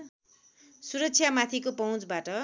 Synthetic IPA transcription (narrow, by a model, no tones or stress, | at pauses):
suɾʌksʰjamat̪ʰikopʌũt͡sbaʈʌ